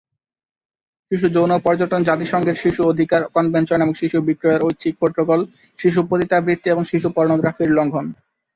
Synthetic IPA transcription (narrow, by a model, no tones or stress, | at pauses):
ʃiʃ̬ud͡ʑownopɔɾd͡ʑoʈond͡ʑat̪iʃɔŋɡeɾʃiʃuod̪ʱikaɾkɔnbent͡ɕoneboŋʃiʃubikɾoeɾojɕʰik̚poʈːɾokol | ʃiʃ̬upot̪it̪abɾit̪t̪ːieboŋʃiʃupɔɾnoɡɾafiɾlɔŋɡʱon